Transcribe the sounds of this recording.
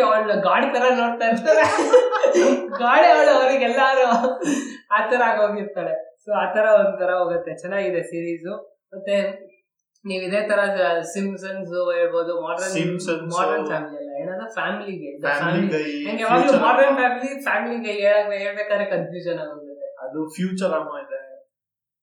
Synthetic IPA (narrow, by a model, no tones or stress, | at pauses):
ɐɐɭɡaːɽt̪ɐɾɐnoːɽt̪at̪aːɾe | ɡaːɽeʋɐɭuɐɾiɡɛlːaɾu | aːt̪ɐɾɐaːɡoːd̪iɾt̪aːɭesoaːt̪ɐɾɐond̪ut̪ʰɐɾɐɦoːɡut̪ːet͡ʃɛnːaːɡid̪esiːɾiːsu | mɐt̪ːe | niːʋid̪e̞ːt̪ʰɐɾɐsimsɐnsueːɭboːd̪umaːɾɖɐnmsɐnmaːɾɖɐɾnfaːmiliɐlːɐeːnaːd̪ɐpʰaːmiliɡeːaːiiɐŋɡeːʋaːɡlumaːɾɖɐɾnpaːmilipʰaːmiliɡeeːɭaɡeɦeːɭbeːkaːd̪ɾekɐnfʰjuːʃɐnaːɡoːd̪ɐt̪ːeɐd̪upʰjuːt͡ʃɐɾɐmaːid̪e